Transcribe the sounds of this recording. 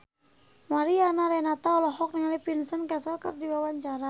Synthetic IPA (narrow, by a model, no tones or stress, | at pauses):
maɾianaɾɛnat̪aɔlɔɦɔk̚niŋalipinsənkɛsalkə̰rdiwawaɲt͡ʃaɾa